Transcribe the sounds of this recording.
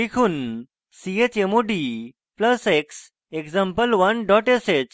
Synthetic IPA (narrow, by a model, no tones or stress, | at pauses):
dikʰuːn | siet͡ɕemoɖi | pləseks | ekd͡zãmpəlʋənɖɔʈeset͡ɕ